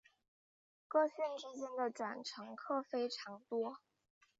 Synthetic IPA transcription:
kɤ˥˧ɕɛ˥˩nʈ͡ʂɻ̩˥t͡ɕjɛ˥nd̪ə˨ʈ͡ʂwa˨˩nʈ͡ʂʰɤ˧˥ŋkʰɤ˥˩fe˥ɪʈ͡ʂʰɑ˧˥ŋt̪wɔ˥

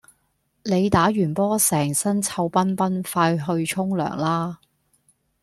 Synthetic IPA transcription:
le˨˧jt̪aː˨˥ɥyː˨˩npɔː˥sɛː˨˩ŋsɐ˥nt͡sʰɐ˧wpɐ˥npɐ˥nfaː˧jɦɵ˧ɥt͡ʃʰʊ˥ŋlœ̰ː˨˩ŋlaː˥

